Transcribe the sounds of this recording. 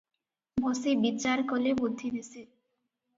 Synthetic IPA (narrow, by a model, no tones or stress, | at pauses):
mʱosibit͡ɕːaɾkolebod̪ʱːinisi